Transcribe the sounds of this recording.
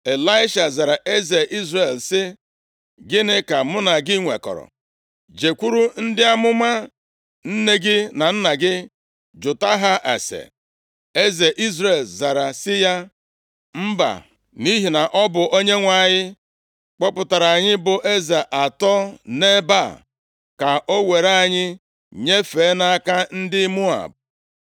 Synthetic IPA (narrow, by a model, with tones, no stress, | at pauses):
e˨la˦ɪ˦ʃa˨za˨ɾa˨ʔe˦ze˨ʔi˦zɾe˨lsɪ˦ | ɡɪ˦nɪ˦ka˨mʊ˦na˨ɡɪ˦ŋʷḛ˨kɔ̰˨ɾɔ̰˨ | d͡ʒe˨kʷu˦ɾu˦n̩˦dɪ˦a˦mʊ˦ma˦ | n̩˦ne˦ɡɪ˦na˨n̩˦na˨ɡɪ˦ | d͡ʒʊ˨ta˦ɦa˦ʔa̰˨sḛ˨ | e˦ze˨ʔi˦zɾe˦˨lza˨ɾa˨sɪ˦ja˦ | m̩˦ba̰˨ | ni˦ɦi˨na˨ʔɔ˦bʊ˨ʔo˦ɲe˦ŋʷa˨ɲɪ˦ | k͡pɔ˦pʊ˨ta˨ɾa˨a˨ɲɪ˦bʊ˨ʔe˦ze˨ʔa˨tɔ˦ne˦ba˦˨ | ka˨ʔo˦we˨ɾa˦a˨ɲɪ˦ | ɲe˦fe˨˦na˦a˦ka˦n̩˦dɪ˦mu˦a̰˨b̚